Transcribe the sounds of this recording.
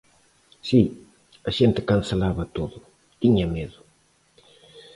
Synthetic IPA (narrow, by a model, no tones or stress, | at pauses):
si | ɐʃent̪ɪkanselaβɐt̪oðʊ | t̪iɲɐmeðʊ